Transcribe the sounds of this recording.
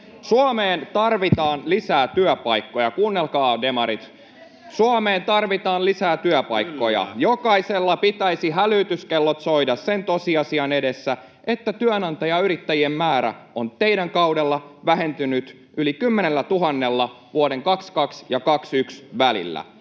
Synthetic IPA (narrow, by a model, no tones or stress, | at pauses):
suɑmeːnt̪ɑrʋit̪ɑːnlisæːt̪yœpɑjkːojɑkuːnːelkɑːde̞mɑɾit̪ | suɑmeːnt̪ɑrʋit̪ɑːnlisæːt̪yœpɑjkːo̞jɑ̰jokɑiselːɑpit̪æisiɦælyːt̪yskelːot̪so̞idɑsse̞nt̪osiɑsiɑne̞desːæ | ʔe̞t̪ːæt̪yønɑnt̪ɑjɑyɾit̪ːæjiemːæːɾæ̰o̞nt̪e̞iɾæŋkɑwdelːɑʋæɦe̞nt̪ynyt̪ | ʔylikymːene̞lːæt̪uɦɑnːe̞lːɑ | ʋuode̞ŋkɑkskɑksjɑkɑksyksʋælḭlːæ̰